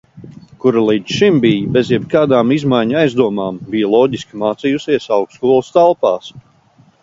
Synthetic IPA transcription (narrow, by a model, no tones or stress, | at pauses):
kuɾalˠiːd̪z̥ʃimbijbezjɛbkaːd̪aːmizmajɲaajzd̪uɔmaːmbijalˠɔːɟiskʲimaːt̪sijusiɛsawkskuɔlˠst̪alˠpaːs